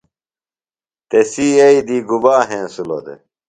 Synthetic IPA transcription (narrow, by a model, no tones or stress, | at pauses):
t̪esiɐid̪iɡubaːɦẽːsulo̰d̪ḛ